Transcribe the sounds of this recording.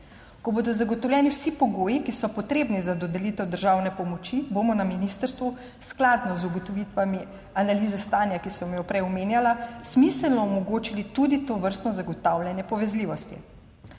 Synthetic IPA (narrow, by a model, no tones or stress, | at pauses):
kɔboːd̪ɔzaɡɔt̪ɔwlʲɛːniwsipɔɡoːjikisɔpɔt̪ɾeːbnizad̪ɔd̪ɛlit̪ɛwd̪əɾʒawnɛpɔmɔt͡ʃibomɔnaminist̪əɾst̪ʋu | sklaːd̪nɔzuɡɔt̪ɔʋit̪ʋami | analiːzɛst̪aːnjakisɔmjɔpɾɛjɔmeːnjalasmisəlnɔɔmɔɡoːt͡ʃilit̪ud̪it̪oːʋəɾst̪nɔzaɡɔt̪awlʲjanjɛpɔʋɛzliːʋɔst̪ḭ